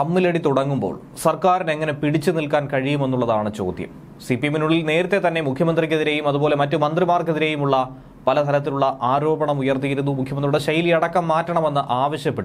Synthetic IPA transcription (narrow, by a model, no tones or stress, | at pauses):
ɐmːileɽit̪uɽɐŋːumbo̰ːɭ | sɐrkaːɾine̞ŋːɐne̞piɽit͡ɕːɨnilkaːnkɐɻijume̞nːuɭːɐðaːɳɨt͡ɕo̞̰ːd̪jɐ̰m | sipijminuɭilne̞ːɾɐt̪ːe̞t̪ɐnːe̞mukʰjɐmɐnd̪rik̬ʲːeðiɾe̞ːjumɐðuboːle̞mɐtːumɐnd̪rimaːrkːeðiɾe̞jumuɭːɐ | pɐlɐt̪ʰɐlɐt̪̬ːiluɭːɐʔaːɾo̞ːbɐɳɐmujɐrt̪ijiɾunːumukʰjɐmɐnd̪riuɽeɕɐjilɐɽɐkːɐmːaːtːɐɳɐme̞nːɨʔaːʋɐɕjɐpːeʈːu